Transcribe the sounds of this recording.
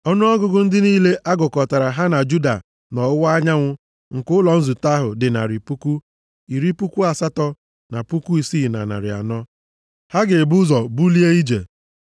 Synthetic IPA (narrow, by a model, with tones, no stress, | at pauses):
ɔ˦nʊ˦ɔ˦ɡʊ˦ɡʊ˦n̩˦dɪ˦niː˦le˦ʔa˦ɡʊ˨kɔ˨ta˨ɾa˨ɦa˦na˨d͡ʒu˦da̰˨ | nɔ˨ʊ˦wa˦ɲa˦ŋʷʊ˦ | ŋ̩˨kʊ˦lɔ˨n̩˦zu˨ta˦ɦʊ˨dɪ˨na̰˨ɾɪ˨pu˦ku˦ | i˨ɾi˦pu˦kʷu˦a˨sa˦tɔ˦ | na˨pu˦ku˦i˨si˦˨na̰˨na̰˨ɾɪ̰˨a̰˨nɔ˦ | ha˦ɡe˨bu˦zɔ˨bu˦li˦e˦i˦d͡ʒḛ˨